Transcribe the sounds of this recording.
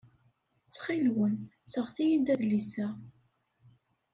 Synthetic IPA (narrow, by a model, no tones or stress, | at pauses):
t͡sːχilwənt͡sːəʁθijənd̪æðlisæ